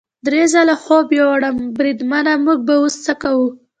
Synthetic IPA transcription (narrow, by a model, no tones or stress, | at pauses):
d̪ɾezalaxobjoaɽəmbɾid̪manamuɡ̚baust͡sakawu